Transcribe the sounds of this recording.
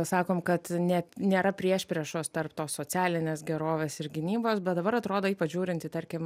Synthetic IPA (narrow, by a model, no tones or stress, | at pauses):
sɑːkoːmkɐt̪nʲɛnʲeːɾɐpʲɾʲiɛʃʲpʲɾʲɛʃoːst̪ɐrpt̪oːssoːt͡s̪ʲæːlʲɪnʲeːsɡʲɛɾoːʋʲeːsɪɾɡʲɪnʲiːboːsbʲɛt̪d̪ɐbɐɾɐt̪ɾoːd̪oːiːpɐt͡ʃʒʲuːɾʲɪnʲt̪ʲit̪ɐɾʲkʲɪm